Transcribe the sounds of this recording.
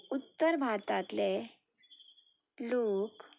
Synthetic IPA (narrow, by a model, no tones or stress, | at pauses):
ut̪ːəɾbʱaɾt̪at̪le | lok